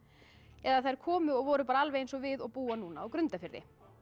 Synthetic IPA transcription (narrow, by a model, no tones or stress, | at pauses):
ɛðaθajɾ̥kʰɔːmʏɔɣvɔːɾʏpaːɾaalvejejnsɔɣvɪðɔɣpuːanuːnaːwkɾʏnt̪afɪɾðɪ̰